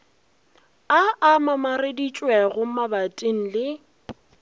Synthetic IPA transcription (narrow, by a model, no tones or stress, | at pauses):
aʔamamaredit͡ʃʼwɛɣʊmabatʼiŋ̩lɪ